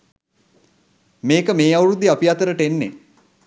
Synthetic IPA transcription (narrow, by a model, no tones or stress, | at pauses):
meːkəmeːawɾud̪iapiat̪əɾəʈəenːe